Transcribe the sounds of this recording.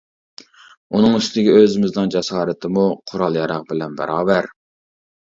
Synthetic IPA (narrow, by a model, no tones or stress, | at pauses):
unɨŋyst̪d̪ɪɡʲøzɪmɪznɨnd͡ʒɛsɑːɾɪt̪ʰɪmuqʰʊɾɑlˠjɑɾɑq̚bɪlɛnbɛ̰ɾɑːvæɾ